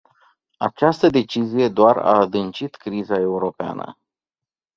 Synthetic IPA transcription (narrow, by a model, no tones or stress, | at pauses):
a̰t͡ʃast̪əd̪e̞t͡ʃizije̞d̪oara̰ːd̪ɨnt͡ʃit̪kɾizae̞uɾo̞pea̰nə̰